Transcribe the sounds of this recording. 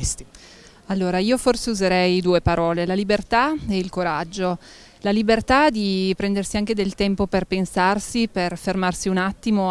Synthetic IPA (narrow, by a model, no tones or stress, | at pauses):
st̪i | alːoːɾaiːoforseuzeɾɛjd̪uːepaɾɔːlelalibert̪aɛilkoɾad͡ʒːo | lalibert̪ad̪ipɾɛnd̪ersiaŋk̟ed̪elt̪ɛmpoperpensarsiperfermarsiunat̪ːimo